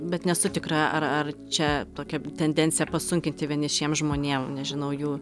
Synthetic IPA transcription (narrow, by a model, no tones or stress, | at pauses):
bʲɛt̪nʲɛsʊt̪ʲɪkɾɐʔɐrɐrt͡ʃʲɛt̪oːkʲɛt̪ʲɛnʲd̪ʲɛnʲtt͡s̪ʲɪjɛpɐsʊŋʲkʲɪnt̪ʲɪʋʲiɛnʲɪʃʲiɛmʒmoːnʲeːmnʲɛʒʲɪnɐʊjuː